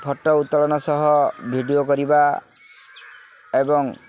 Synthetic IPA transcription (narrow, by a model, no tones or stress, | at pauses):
pʰɔʈːɔut̪ːɔlɔnɔsɔɦɔbʱiɖiokɔɾiba | ebɔŋ